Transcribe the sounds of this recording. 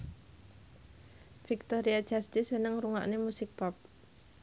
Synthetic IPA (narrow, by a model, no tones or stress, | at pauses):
fik̚t̪ɔɾiad̥d͡ʒast̪isənəŋɾuŋa̰ʔnemusɪk̚pɔp̚